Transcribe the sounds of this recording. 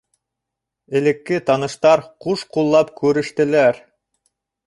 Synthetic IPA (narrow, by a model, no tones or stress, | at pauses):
ɘ̆lɘ̆kːɘt̪ɑnɤ̆ʃt̪ɑɾquʃqulˠːɑpkʉɾɘ̆ʃt̪ɘ̆læɾ